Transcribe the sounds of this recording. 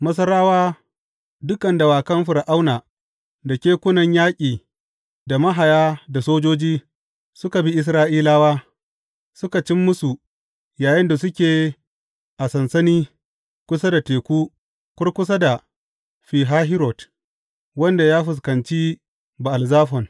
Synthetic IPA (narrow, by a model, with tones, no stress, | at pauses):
mɐ˦s̬ɐ˦ɾaː˦waː˦ | dʊ˦kɐ˨nda˨waː˨kɐ˦mɸɪ˨ɾʔa˦wnaː˨ | da˨kʲeː˦kʷʊ˦nɐ˨ɲjaː˦kʲʼiː˨ | da˨mɐ˦ɦa˨jaː˦da˨soː˦d͡ʒoː˦d͡ʒiː˦ | sʊ˦ka˨bi˦ʔɪ˦s̬ɾaː˦ʔiː˦laː˦waː˦ | sʊ˦ka˨t͡ʃɪ˦mːʊ˦su˨ | jaː˨jɪ˦nda˨s̬ʊ˦kʲeː˨ | ʔa˨sɐ˨nsɐ˦niː˦ | kʷʊ˦sa˦da˨teː˨kʷuː˦ | kʷʊ˦rkʷʊ˦s̬a˦da˨ | ɸiː˨ɦaː˦ɦɪ˦ɾɔ˨t | wɐ˦nda˨jaː˦ɸɪ˨s̬kɐ˨nt͡ʃi˦ | ba˨ʔa˨lzaː˦ɸɔ˨n